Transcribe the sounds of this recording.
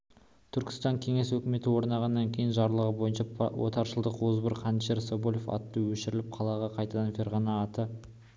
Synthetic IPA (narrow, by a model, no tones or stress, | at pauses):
t̪ʰʏɾkʲɪ̥st̪ɑŋkʲʰe̞ŋe̞swɵkʲɪme̞t̪ɪwo̞ɾnɑʁɑnːɑŋkʲʰe̞jɪnʒɑɾlˠəʁəbo̞jənʃɑwo̰t̪ɑɾʃəlˠd̪əqwozbəɾqʰɑnʃeɾsobolʲofɑ̰t̪ːəwɵʃɪɾɪlɪp̚qʰɑlˠɑʁɑqʰɑjt̪ɑd̪ɑnfe̞ɾʁɑnɑːt̪ə